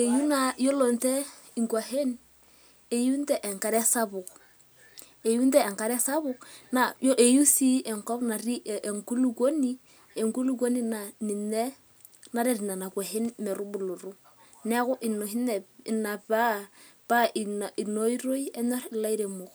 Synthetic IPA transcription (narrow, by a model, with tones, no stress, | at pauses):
e˨ju˦na˨jo˦lo˨ntɛ˦ | i˨ŋkwa˨ɦe˦n | e˨ju˦ntɛ˦ʔɛ˨ŋka˨ɾɛ˦sa˦bʊ˨k | e˨ju˦ntɛː˦˨ŋka˨ɾɛ˦sa˦bʊ˨kna˨jʔe˨ju˦si˦ɛ˨ŋkɔ˦pna˨ɾi˦˨e˨ŋku˦lu˨ko˦ni˦ | e˨ŋku˦lu˦ko˦ni˦na˨ni˨nɛ˦ | na˦ɾɛ˨ɾi˨na˨na˨kwa˨ɦe˦nmɛ˨ɾu˦bu˨lo˨ɾu˦ | nɛ˦kʊ˦ʔɪ˨no˨hi˦nɛ˨i˨na˨pa˦ | pa˦i˨i˨no˦i˦ɾo˦jɛ˦nɔ˦ɾɪ˨la˦i˦ɾe˨mʊ˨k